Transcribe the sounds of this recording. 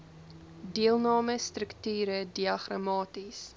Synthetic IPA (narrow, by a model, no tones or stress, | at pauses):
diəlˠnɑːməstrəktyːɾədiɐχrɑmɑːtis